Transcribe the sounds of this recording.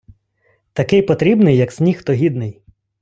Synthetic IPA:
t̪ɐkɪjpɔt̪ɾʲibnɪjːɐksʲnʲixt̪ɔɦʲid̪nɪj

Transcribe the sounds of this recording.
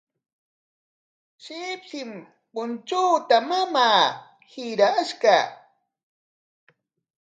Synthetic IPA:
ʃɪpʃɪm | pʊnt͡ʃuːt̪amamaː | hɪɾaʃka

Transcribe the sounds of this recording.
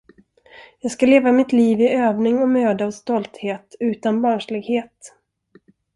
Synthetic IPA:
jɑːɡskaleːvamɪt̪liːvɪøːvnɪŋɔmøːd̪əɔst̪ɔlt̪heːt̪ʉ̟ːt̪anbɑːnʂlɪɡheːt̪

